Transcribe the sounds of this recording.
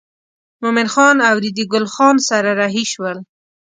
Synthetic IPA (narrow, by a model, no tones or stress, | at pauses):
mʊmɪnxɑnawɾid̪iɡʊlxɑnsaɾaɾɑɦiʃwəl